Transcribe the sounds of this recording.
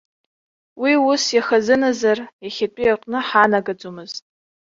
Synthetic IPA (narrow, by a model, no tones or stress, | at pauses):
wiʊsjaχazɨnazarjaχʲatʼijaqʼnɨħanaɡad͡zomɨztʼ